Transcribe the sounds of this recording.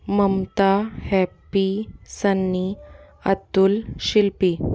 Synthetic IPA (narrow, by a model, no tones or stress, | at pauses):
məmt̪ahɛpːisənːi | ə̰t̪ːulɕilpi